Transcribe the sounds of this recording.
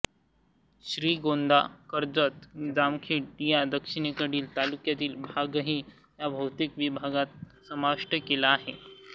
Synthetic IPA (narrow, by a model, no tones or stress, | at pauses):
ɕɾiːɡond̪akəɾd͡zət̪d͡zamkʰiːʈjad̪əkʂiɳ̃ekəɽiːlt̪alukjat̪iːlbʱaɡəɦiː | jabʱəwt̪ikʋibʱaɡat̪̚ | səmaʂʈəkelaːɦe